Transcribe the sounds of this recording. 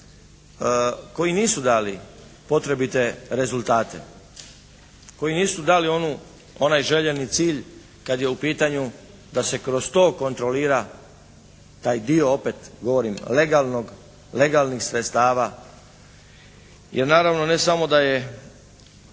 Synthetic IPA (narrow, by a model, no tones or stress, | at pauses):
ko̞jiniːsud̪aːlipo̞t̪ɾe̞bit̪e̞ɾe̞zulˠt̪aːt̪e̞̰ | ko̞jiniːsud̪aːlio̞nu | o̞najʒe̞ʎenit̪siːʎ | kad̪jeupiːt̪aɲu | d̪ase̞kɾost̪o̞ːko̞nt̪ɾo̞liːɾa | t̪aːjd̪ioope̞t̪ɡo̞ʋo̞ɾimle̞ɡalˠno̞ɡ | le̞ɡaːlˠnixsɾet̪st̪aːʋa | jʔeɾnaːɾaʋnone̞samo̞d̪aje̞